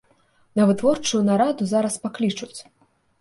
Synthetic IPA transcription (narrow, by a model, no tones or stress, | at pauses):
nɐvɨt̪vɔrt͡ʂujunaɾad̪uzaɾɐspaklʲit͡ʂut͡sʲ